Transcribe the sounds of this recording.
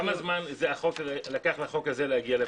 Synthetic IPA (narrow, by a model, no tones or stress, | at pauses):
amazmanzeaχo̞kllakaχlaχo̞kazelehaɡiale